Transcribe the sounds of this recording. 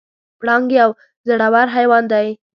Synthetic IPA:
pɽɑŋɡeaw | zəɽawaɾɦajwɑnd̪aj

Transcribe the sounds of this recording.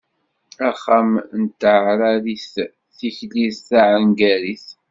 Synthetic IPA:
æχamnt̪ːɾaɾiθ | θiçliðθaʕənɡæɾiθ

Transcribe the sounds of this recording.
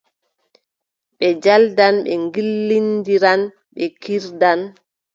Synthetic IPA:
ɓɛd͡ʒaldanɓɛŋɡilːindiɾan | ɓɛkiɾdan

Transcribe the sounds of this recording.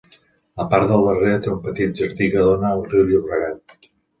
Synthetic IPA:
əpaɾðəlˠβəret̪eumpət̪it̪̚ʒəɾðikəðonəːlˠriwʎiβɾəɣat̪̚

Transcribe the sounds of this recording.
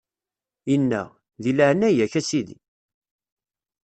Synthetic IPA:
inːæ̰ | ðiləʕənːæjæçæsiðḭ

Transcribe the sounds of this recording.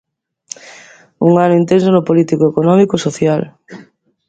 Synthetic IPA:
uŋanʊint̪ens̬onʊpolit̪ikoekonɔmikosoθjal

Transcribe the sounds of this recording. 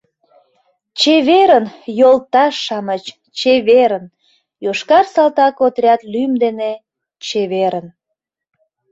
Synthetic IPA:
t͡ɕeβeɾənjolt̪ɑʃːɑmət͡ɕ | t͡ɕeβeɾən | joʃkɑrsɑlt̪ɑkot̪ɾʲɑt̪lymd̪ene | t͡ɕeβeɾən

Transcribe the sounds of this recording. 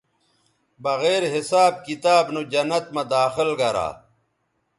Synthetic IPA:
bɐɣeːɾɦisaːb̚kit̪aːbnud͡ʑɐnːɐt̪̚mɐd̪aːxilɡɐɾa̰ː

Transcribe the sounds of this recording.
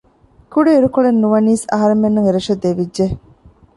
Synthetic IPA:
kuɖeiɾukoɭenːuʋɐniːsɐ̰ɦɐɾemːenːuŋeɾeʃɐd̪eʋidʒe

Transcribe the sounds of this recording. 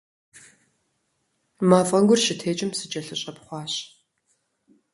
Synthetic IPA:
maːfʼɐŋɡʷʊrʃɪtʰeːt͡ʃʼɪmsɨt͡ʃʼɐɬɨɕʼɐpχʷɑːɕ

